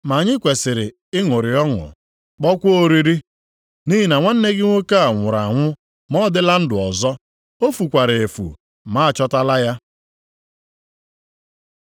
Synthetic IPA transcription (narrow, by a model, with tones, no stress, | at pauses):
ma˨ɲɪ˦kʷe˨sɪ˨ɾɪ˨ | ɪ˦ŋʊ˨ɾɪ˨ɔ˦ŋʊ̰˨ | k͡pɔ˦kʷo˦ɾi˦ɾi˦ | ni˦ɦi˨na˨ŋʷa˦n̩˦ne˦ɡɪ˦ŋʷo˦ka˦a˨ŋʷʊ˨ɾa˨a˨ŋʷʊ˦ | mɔ˦dɪ˦la˦n̩˦dʊ˨ɔ˨zɔ˦ | o˦fu˨kʷa˨ɾɪ˨e˨fṵ˨ | ma˦˨t͡ʃɔ˦ta˦la˦ja˦